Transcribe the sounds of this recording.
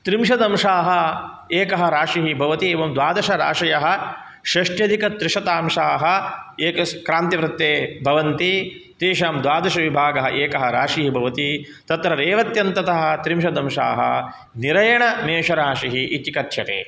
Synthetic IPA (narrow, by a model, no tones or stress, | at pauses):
t̪ɾimʃɐd̪ɐmʂaːɦɐ | eːkɐɦɐɾaːʂiɦibʱɐʋɐt̪ieːʋɐmd̪ʋaːd̪ɐʃɐɾa̰ːʂɐjɐɦɐ̆ | ʃɐʂʈjɐd̪ʱikɐt̪ɾɪʂɐt̪aːmʂaːɦɐ̆eːkɐkɾaːnt̪iʋɾɪt̪ːeːbʱɐʋɐnt̪i | t̪ɾiːʂaːmd̪ʋaːd̪ɐʃɐʋibʱaːɡɐɦɐʔeːkɐɦɐɾaːʂiɦibʱɐʋɐt̪i | t̪ɐt̪ɾɐɾeːʋɐt̪jɐnt̪ɐt̪ɐɦɐ̆t̪ɾimʃɐd̪ɐmʂa̰ːɦɐ̰ | niɾɐjɐɳɐmeːʂɐɾaːʃiɦiʔit̪ikɐt̪ʰjɐt̪ḛː